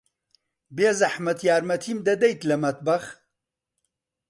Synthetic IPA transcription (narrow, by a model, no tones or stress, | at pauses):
beːzɐħmɐt̪jaːɾmɐt̪ʰimd̪ɐd̪ɐjt̪lɐmɐt̪̚bɐx